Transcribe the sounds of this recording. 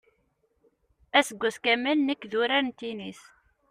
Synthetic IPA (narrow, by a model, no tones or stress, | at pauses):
æsəɡʷːæskæmælnəkːðuɾæɾnt̪inis